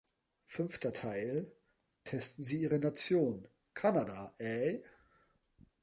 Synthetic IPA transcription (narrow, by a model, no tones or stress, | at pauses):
fʏnftɐtʰaɪl | tʰɛstn̩ziːiːʁənat͡sjoːn | kʰanadaʔɛ